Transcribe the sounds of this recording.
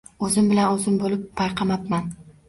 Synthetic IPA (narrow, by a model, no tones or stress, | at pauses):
ɵzɪmbɪlanɵzɪmbolɪpʰːɑjqʰɑmapman